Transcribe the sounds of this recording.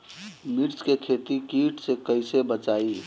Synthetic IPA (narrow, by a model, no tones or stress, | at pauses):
mɪɾt͡ʃkekʰeːt̪ikiːʈsekəɪsebət͡ʃaːiː